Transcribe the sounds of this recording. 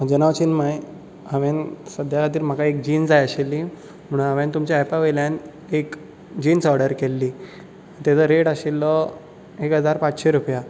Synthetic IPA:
d͡ʑənaʋt͡ɕinmaj | əʋensəd̪ʱjakat̪̬iːɾm̤əkaek̚d͡ʑiːnd͡zajəɕilːi | m̤əɽ̃unaʋent̪umt͡ɕjaɛpaʋeljãn | ek | d͡ʑiːnsɔɾɽəɾkelːi | t̪jat͡səɾeʈaɕilːɔ | ekɦəd͡zaɾpat͡sɕeɾupja

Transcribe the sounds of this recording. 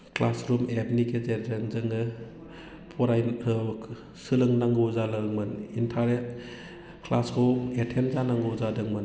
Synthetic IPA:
klasɾumetnikezenɾenzɯŋɯ | pʰɔɾajɯ | sɯlɯŋnaŋɡɯwzalɯŋmɯnintʰanet | kʰlaskʰɔetʰenzanaŋɡɯwzadɯŋmɯn

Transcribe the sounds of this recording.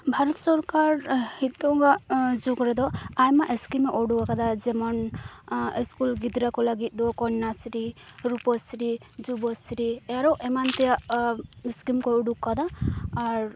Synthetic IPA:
bʱaɾɔt̪sɔɾkaɾhit̪ɔɡad͡ʒukɾɛd̪ɔajmaʔeskimeʔɔɖukakad̪ad͡ʒɛmɔn | eskulɡid̪ɾakɔlaɡit̪̚ˀd̪ɔkɔɲnːasɾiɾupɔsɾid͡ʒubɔsɾiaɾɔʔemant̪ijaʔeskimkɔɔɖukːad̪aː | ɾ

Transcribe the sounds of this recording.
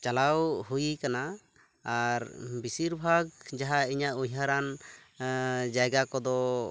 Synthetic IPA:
t͡ʃalawhujikana | aɾbisiɾbʱaɡ̚d͡ʒaɦaiɲaʔujɦaɾan | d͡ʒajɡakɔd̪ɔ

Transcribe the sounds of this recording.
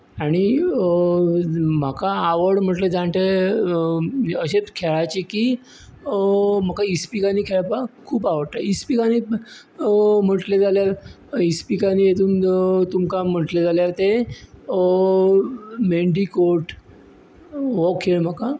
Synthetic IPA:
aɽ̃i | m̤akaːʋəɾɽm̤əʈled͡zaɳʈ̪e | əɕet͡skʰeɭat͡ɕikiː | məkaispikaniːkʰeɭpakʰuːpaʋəɽt̪aispikaniː | m̤əʈled͡zaljaɾ | ispikanijet̪ʰuːnt̪umkam̤əʈled͡zaljaɾt̪e | meɳɖikoɾʈ | ʋɔkʰeɭm̤aka

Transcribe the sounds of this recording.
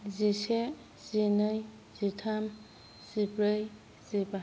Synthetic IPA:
zise | z̥inɯj | zitʰam | sibɾɯj | z̥iba

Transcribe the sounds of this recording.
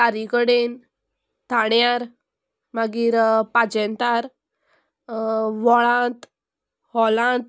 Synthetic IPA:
taɾikəɽen | t̪aɳjaɾ | maɡiːɾpad͡ʑɛnt̪aɾ | ʋɔɭãt̪ | hɔlãt̪̚

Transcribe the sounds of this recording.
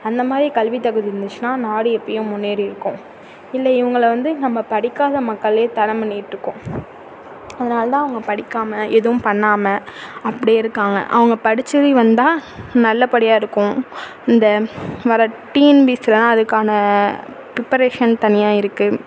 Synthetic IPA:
ɐnd̪ɐmaːd̪ɾikɐlʋit̪ːɐɣɯðɪɾɯnd̪ɯt͡ʃːɯnaːnaːɽɯɛpːɐjʊ̃mʊnːeːɾiɪɾɯkːʊ̃ | ɪlːɐɪʋɐŋɡɐɭʋɐnd̪ɯnɐmːɐpɐɽɪkːaːðɐmɐkːɐɭeːt̪ɐɾɐmbɐɳːɪjɪʈːɾɯkːʊ̃ | ɐðɐnaːlɐt̪ãːɐʋɐŋɡɐpɐɽɪkːaːmɐʔɛðɯʋʊ̃mpɐɳːaːmɐɐpːɐɽijɪɾɯkːaːŋɡɐ̰ʔɐ̰ʋɐŋɡɐpɐɽɪt͡ʃːɐðɯʋɐnd̪ãːnɐlːɐpɐɽɪjaːɪɾɯkːʊ̃ | ɪnd̪ɐʋɐɾɐʈːiːnbiːsɪlɐnãːɐðɯkːaːnɐ | pɾɪpːɐɾeːʂɐnt̪ɐnɪjaːɪɾɯkːɯ

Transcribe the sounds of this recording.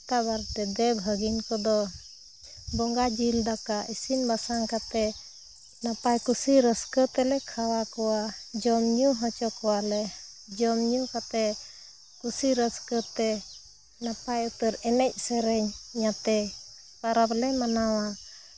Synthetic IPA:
t̪abaɾt̪ɛd̪ɛbʱəɡinkɔd̪ɔ | bɔŋɡad͡ʒild̪akaʔisinbasaŋkat̪ɛ | napajkusiɾəskət̪ɛlɛkʰawakɔwad͡ʒɔmɲuɦɔt͡ʃɔkɔwalɛ | d͡ʒɔmɲukat̪ɛ | kusiɾəskət̪ɛ | napajut̪əɾɛnɛc̚ˀsɛɾɛɲɲat̪ɛ | paɾablɛmanawa

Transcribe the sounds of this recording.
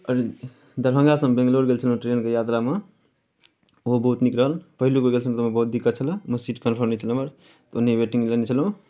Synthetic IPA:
əɾi | d̪əɾbʱə̃ŋɡasə̃mbẽŋɡloɾɡelt͡ʃʰəlɦũʈɾenkejat̪ɾame | oɦobəɦut̪nikɾəɦəlpəɦilukoɾɡelsʰəmt̪əmẽbəɦut̪̚d̪ikːət͡ʃʰələ̃məsiʈkənpʰəɾnet͡ʃʰələməɾ | t̪unːebeʈiŋɡlenet͡ʃʰəlɦũ

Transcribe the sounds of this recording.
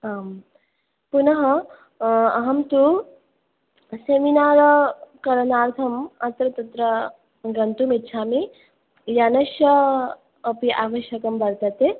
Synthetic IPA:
aːm | punɐɦɐ | ɐɦɐmt̪u | seminaːɾɐkɐɾɐnaːɾt̪ʰɐmɐt̪ɾɐt̪ɐt̪ɾɐ | ɡɐnt̪umitːt͡ʃʰaːmi | janɐʃjɐː | piʔaːʋɐʃjɐkɐmbɐɾt̪ɐt̪e

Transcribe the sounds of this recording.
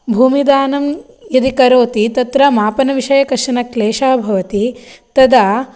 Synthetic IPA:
bʱuːmid̪aːnɐm | jɐd̪ikɐɾoːt̪it̪ɐt̪ɾɐmaːpɐnɐʋiʃɐjɐkɐɾʂɐnɐkleːʃaːbʱɐʋɐt̪it̪ɐd̪a

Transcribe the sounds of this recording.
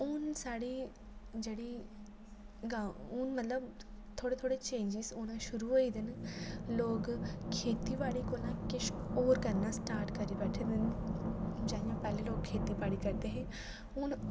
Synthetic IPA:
ʊnsaːɽiː | d͡ʒeːɽiː | ɡaʊnmət̪ləb | t̪ʰoːɽeːt̪ʰoːɽeːt͡ʃẽːnd͡ʒisoːnãːʃʊɾuːɦoːiːd̪ɪnloːkkʰeːt̪iːbaːɽiːkoːlãːkɪʃoːɾkəɾnãːsʈaːɾʈkəɾiːbɛːʈʰed̪ɪn | d͡ʒaːɪjãːpɛːlẽːloːk̚kʰːeːt̪iːbaːɽiːkəɾd̪eːɦɛ̃ː | ʊn

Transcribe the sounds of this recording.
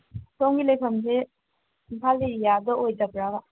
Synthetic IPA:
somɡilejpʰɐmse | impʰalejadɔojd͡ʒɐbɾaba

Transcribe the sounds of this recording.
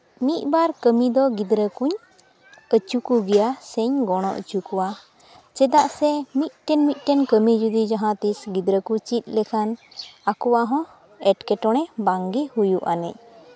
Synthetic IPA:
mit̪̚ˀbaɾkəmid̪ɔɡid̪ɾəkuɲ | ət͡ʃukuɡɛjasəɲɡɔɽ̃ɔʔə̰t͡ʃukɔwa | t͡ʃɛd̪aʔsɛmit̪̚ʈɛnmit̪̚ˀʈɛnkəmid͡ʒud̪id͡ʒaɦãt̪isɡid̪ɾəkut͡ʃit̪̚ˀlɛkʰanakɔwaɦɔ̃ | ɛʈkɛʈɔɽ̃ɛbaŋɡihujuʔa̰nɛ̰c̚

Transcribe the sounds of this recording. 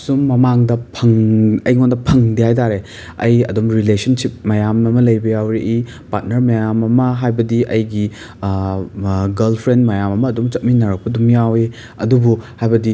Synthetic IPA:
sumːɐmaŋdɐpʰɐŋɐjŋondɐpʰɐŋdihajtaɾe | ɐ̰jɐ̰dumɾilesɐnsip̚mɐjamɐmɐlɐjbɐjawɾiʔi | pat̚nɐɾmajamɐmɐɦajbɐdiʔɐjɡi | ɡɐlpʰɾendmɐjamɐmɐːdumt͡ʃɐt̚minɐɾɐk̚pɐdumjawi | ɐ̰dubuhajbɐdi

